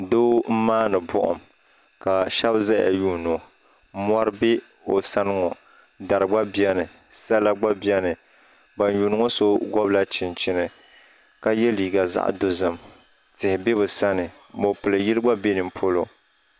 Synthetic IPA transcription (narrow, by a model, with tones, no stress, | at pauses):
doː˦m̩˦maː˦nɨ˨bʊ̰˦ʔʊ̰˨m | ka˨ʃɛ˦bza˦ja̰˨juː˦no˨˦ | m˦ɔ˦ɾɨ˦bɛ˦ | o˨sa˦nɨ˦ŋɔ˨ | da˨ɾɨ˨ɡ͡ba˦bi˦ɛ˦nɨ˨ | sa˦la˦ɡ͡ba˦bi˦ɛ˦nɨ˨ | ba˨n˦juː˨nɨ˦ŋɔ˦so˦ɡɔ˦bla˦t͡ʃɪ˨nt͡ʃɪ˦nɨ˨ | ka˦jɛ˦liː˨ɡa˨za̰˦ʔdo˦zɨ˨m | tɪ˨hɪ˨bɛ˦bɨ˨sa˦nɨ˨ | mo˨pɨ˨lɨ˨ji˦lɨ˦ɡ͡ba˦be˦nɨ˨mpʰo˦lo˨